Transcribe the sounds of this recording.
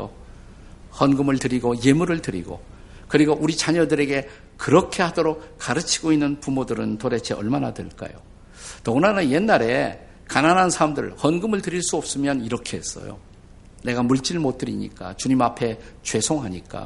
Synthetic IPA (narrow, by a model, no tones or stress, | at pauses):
o̰ | hʌnɡɯmɯɭtɯɾiɡoje̞muɾɯɭtɯɾḭɡo̰ | kɯɾiɡoʔuɾit͡ɕaɲʌdɯɾe̞ɡe̞ | kɯɾʌkʰe̞hadoɾok̚kːaɾɯt͡ɕʰi̥ɡoinːɯnpumodɯɾɯntoɾe̞t͡ɕʰe̞ʌɭmanatwḛɭk͈a̰jo̰ | nʌɡunanɯnje̞nːaɾe̞ | kananɦansʰaɾamdɯ̰ɭhʌnɡɯmɯɭtɯɾiɭs͈uʌp̚s͈ɯmjʌniɾʌkʰe̞ɦes͈ʌ̰jo̰ | ne̞ɡamuɭt͡ɕ͈iɭmot̚t͈ɯɾḭɲḭk͈a̰t͡ɕuɲimapʰe̞t͡ɕwe̞sʰoŋɦaɲik͈a̰